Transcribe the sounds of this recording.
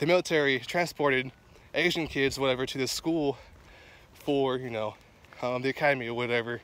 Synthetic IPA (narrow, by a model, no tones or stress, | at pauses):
ðɨmɪlˠətʰɛɹitʰɹ̥æ̃nspʰɔɹɾɨɾ | ʔeɪʒɨ̃nkʰɪdzwʌɾɛvə˞ɾɨðɨskulˠ | fə˞jɨnoʊ | ðiɨkʰæɾɨmiʌvwʌɾɛvə˞